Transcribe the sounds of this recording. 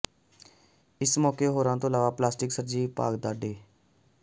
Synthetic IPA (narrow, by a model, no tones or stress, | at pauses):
ɪsmɔːkeːɦoːɾãːt̪õːlaːʋaːplaːsʈɪksəɾd͡ʒiːpa̰ːɡd̪aːɖeː